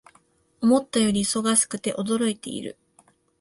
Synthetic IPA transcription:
o̞mo̞t̪ːajo̞ɾʲiso̞ɡasɨ̥kɯ̟t̪e̞ʔo̞d̪o̞ɾo̞it̪e̞̰ḭɾɯ̟̰

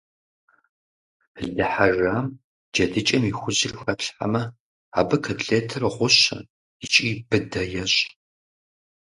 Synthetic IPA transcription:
ɮɨħaraːm | d͡ʒɐdɨt͡ʃʼɐmixʷʊʑɪrxɐɬħa̰mɐ | a̰ːbɐkʰɐdɮeːtʰɨrʁʷʊɕɐ̰ | it͡ʃʼiːbɨdɐjɛɕʼ

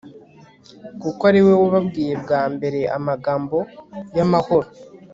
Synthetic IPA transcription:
kukoaɾiwe̞waβabɡiːje̞bɡaːmbe̞ɾe̞ʔa̰maɡaːmbo̞jamaho̞ɾo

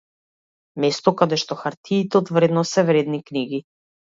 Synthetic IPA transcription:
mɛst̪ɔkad̪ɛʃt̪ɔxaɾt̪ʰiːt̪ɛɔd̪vɾɛd̪nɔsɛvɾɛd̪nikniɡi

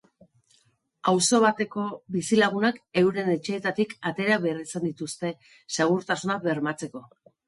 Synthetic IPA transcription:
awso̞β̞at̪e̞ko̞bisilaɣ̞unake̞wɾe̞ne̞t͡ʃe̞ːt̪at̪ikat̪e̞ɾaβe̞risand̪it̪ust̪e̞ | saɣ̞uɾt̪asunaβe̞ɾmat͡se̞ko̞

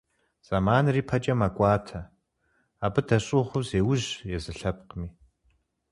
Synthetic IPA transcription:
z̥amaːnriːpʰɐd͡ʒʼɐmakʷʼɑːtʰɐ | aːbɨdɐɕʼɪʁʷʊzeːwʊʒjɛzɨɬɐp̚qmiː

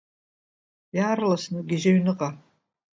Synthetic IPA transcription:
jaːrlasɨnɨɡʲɪʒaɥnɨqʼa

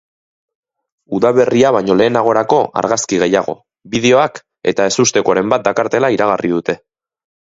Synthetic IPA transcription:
uðaβ̞e̞riaβ̞aɲo̞le̞ːnaɣ̞o̞ɾako̞a̰ɾɣaskiɣ̞e̞jaɣo̞̰ | bið̞e̞o̞ak | e̞̰t̪ae̞sust̪e̞koaɾe̞mbat̪̚d̪akaɾt̪e̞laiɾaɣarið̞ut̪e̞

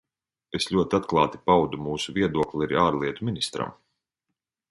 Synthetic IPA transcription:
esʎʲuɔt̪iat̪klˠɑːt̪ipawd̪umuːsuvʲiɛd̪uɔklʲiaɾiaːɾlˠiɛt̪umʲinist̪ɾa̰m

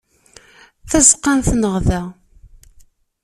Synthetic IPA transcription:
θæzəqːanθnəʁðæ

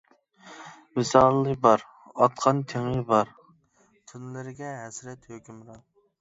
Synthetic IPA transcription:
wɪsɑːlˠlːˠɨbɑɾ | ɑt̪̚qʰɑnt̪ʰeŋɨbɑɾ | t̪ʰunlɪɾɪɡʲɛɦɛsɾɛt̪høkʲymɾɑn

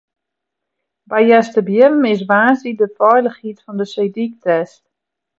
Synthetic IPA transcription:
bɛjjɛstəbjɪnəmɪs̬ʋaːsidəfɔjləxhitfɔndəsejdik̚tɛst

